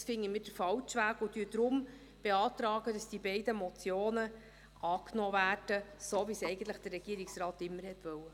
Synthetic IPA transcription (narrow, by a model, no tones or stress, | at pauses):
sfɪŋːəmɪːd̥əɾfɑwtt͡ʃʋæːɡʊdyːd̥ɾʊm | b̥eɑːt̪ɾɑːɡəd̥ɑsd̥ibɛɪdəmɔt͡sjoːnə | ʔɑːknɔːvæːrd̥əsoːvisɛɪɡən̩t̪ləχd̥ərːɛɡiəɾɪksrɑːtɪmːəɾhɛtvœwːə